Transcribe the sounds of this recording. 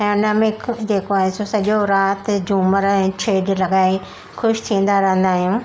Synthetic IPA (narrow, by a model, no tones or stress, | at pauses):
aʊnəmɪkd͡ʑeːkoaːɦesosɐʄoɾaːt̪d͡ʑuːməɾɛ̃ːt͡ɕʰeːɖlɐɠaːe | xʊʃt̪ʰĩːn̆d̪aɾɐɦə̃nd̪aːɦijũː